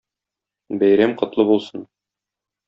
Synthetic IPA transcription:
bæjɾæmqɤ̆t̪lˠɤbulˠsɤn

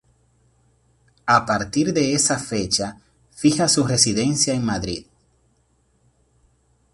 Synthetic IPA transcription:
apaɾt̪iɾðe̞esafe̞t͡ʃa | fixasure̞siðe̞nsjaeŋmaðɾḭð

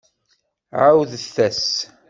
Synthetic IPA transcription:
ʕawðθæs

